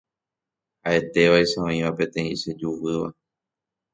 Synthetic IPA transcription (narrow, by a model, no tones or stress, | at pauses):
ae̞t̪e̞ʋaiʃaõĩʋapẽ̞t̪ẽ̞ĩʃed͡ʒuʋɨʋa̰